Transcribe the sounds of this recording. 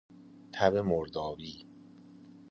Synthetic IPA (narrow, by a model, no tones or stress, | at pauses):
t̪ʰæbemoɾd̪ɒːviː